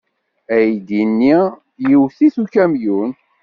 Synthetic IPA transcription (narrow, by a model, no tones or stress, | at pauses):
æjd̪inːi | jiwθiθukæmjun